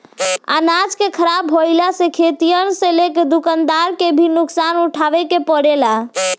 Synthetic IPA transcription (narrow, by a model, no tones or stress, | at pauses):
a̰nad͡ʒkekʰəɾabɦojlasẽkʰet̪ijənsẽleked̪ukənd̪aɾkebʱinuksanuʈʰaʋekepəɽela